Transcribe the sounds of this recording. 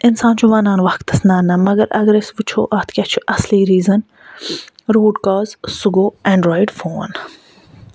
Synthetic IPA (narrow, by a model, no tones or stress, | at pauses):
ɪnsãːnt͡ʃʰuʋɐnãːnʋɐkt̪ɐsnɐːnɐmɐɡɐɾʔɐ̰ɡɐɾesʋut͡ʃʰoːʔɐːt̪ʰkʲat͡ʃʰuʔɐsliːɾiːzɐn | ɾuːɖkaːzsuɡoːɛ̃ːɳɖɾoːiɖfoːn